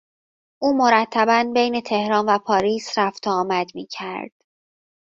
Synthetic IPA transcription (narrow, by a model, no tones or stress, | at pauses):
ʔuːmo̞ɾæt̪ʰːæbænbejne̞t̪ʰe̞hɾɒːnvæpʰɒːɾiːsɾæft̪ʰoːmæd̪miːcʰæɾd̪̥